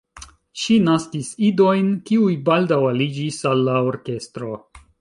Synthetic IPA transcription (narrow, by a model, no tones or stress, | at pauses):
ʃinaskisido̞jnkiujbaldawalid͡ʒisalːaoɾke̞stɾo̞